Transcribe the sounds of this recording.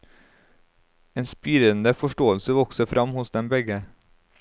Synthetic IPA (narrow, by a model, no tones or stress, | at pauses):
eːnspiːɾənd̪əfɔʃʈoːəlsəʋɔksəfɾʔɑmhʊsd̪ɛmbɛɡə